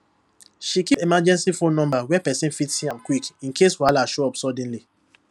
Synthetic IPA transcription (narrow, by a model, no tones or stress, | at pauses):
ʃikipemad͡ʒɛ̃nsifonɔ̃mbawɛpɛsĩnfitsĩãmkwikĩnkʰeswalaʃoɔbsɔdĩnli